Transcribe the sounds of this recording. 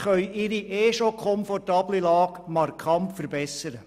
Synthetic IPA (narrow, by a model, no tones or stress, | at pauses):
χœʏɪɾiʔeːʃokʰχɔmfɔrtɑːblilɑːɡmɑrkʰɑntfəɾbɛsəɾə